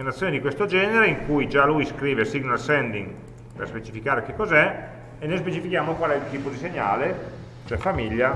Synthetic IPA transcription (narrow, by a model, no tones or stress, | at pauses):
enat̪sjoːned̪ikwest̪od͡ʒɛːneɾeiŋkujd͡ʒalujskɾiːvesiɡnalsɛnd̪iŋ | pḛrspet͡ʃifikaːɾek̟ekːɔzɛ | enːojspet͡ʃifikjaːmokwalɛilt̪iːpod̪iseɲa̰ːle | t͡ʃoɛfamiʎːa